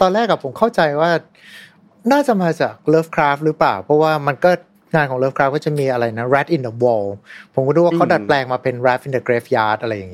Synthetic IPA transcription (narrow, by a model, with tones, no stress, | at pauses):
t̪ɔː˧nlɛː˥˩kːa˨˩pʰo˩˦mkʰa˥˩wt͡ɕa˧jwaː˥˩ | naː˥˩t͡ɕa˨˩maː˧t͡ɕaː˨˩k̚lɤː˦˥˩f̚kʰɾaː˦˥f̚ɾɯː˦˥plaː˨˩wpʰɾɔ˦˥waː˥˩ma˧nkɔː˥˩ | ŋaː˧nkʰɔː˩˦ŋlɤː˦˥f̚kʰɾaː˦˥kɔː˥˩t͡ɕa˨˩miː˧ʔa˧ɾa˧jna˦˥ɾɛ˦˥t̪̚ʔi˧ndə˧wɔː˧wpʰo˩˦kɔ˥˩duː˧˦wa˥kʰa˦˥wda˨˩t̪̚plɛː˧ŋmaː˧pe˧nɾɛ˦˥p̚ʔi˨˧ndə˧kɾeː˦˥fjaː˦˥t̪̚ʔa˧ɾa˧ja˨˩ŋi˦˥˩